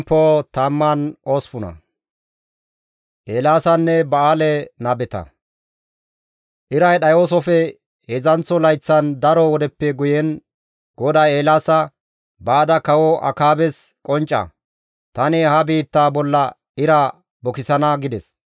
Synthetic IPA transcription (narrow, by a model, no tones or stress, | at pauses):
pːoːt̪ɐmːɐnoːspʊnɐ̰ | ʔeːlaːsɐnːɛbɐaːlɛnaːbɛt̪ɐ̰ | ʔɪɾɐjɗɐjoːs̬ɔfɛ | hezɐnt͡sːɔlɐjt͡sːɐnd̪ɐɾɔwɔd̪ɛpːɛɡʊjɛn | ɡ̥ɔd̪aeːlaːsɐ | baːd̪ɐkɐwɔʔɐ̰kaːbɛskʼɔnt͡ʃʼːɐ̰ | t̪ɐnɪhɐbiːt̪ːaːbɔlːɐ | ɪɾa | bɔkɪsɐnɐɡɪd̪ɛs